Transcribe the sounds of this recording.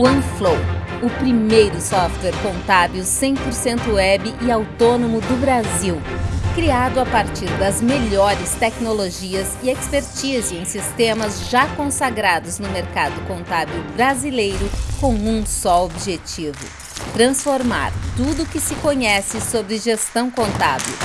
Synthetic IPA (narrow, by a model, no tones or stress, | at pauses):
uɐ̃flowʊpɾimejɾʊsɔft̪wɛɾkõnt̪abiwsẽj̃poɾsẽnt̪ʊɛbɪʔɪawt̪onõmʊd̪ʊbɾaziwkɾiad̪ʊapaɾt͡ʃiɾd̪ɐzmeʎɔɾɪst̪ɛknoloʒiɐzɪekspeɾt͡ʃiziẽj̃sist̪ẽmɐzʒakõsaɡɾad̪ʊznʊmeɾkad̪ʊkõnt̪abewbɾazilejɾʊkõw̃ũssɔobiʒet͡ʃivʊ̰ | t̪ɾɐ̃sfoɾma̰ɾt̪ud̪ʊkɪsɪkoɲɛsɪsobɾɪʒest̪ɐ̃w̃kõnt̪a̰bḛw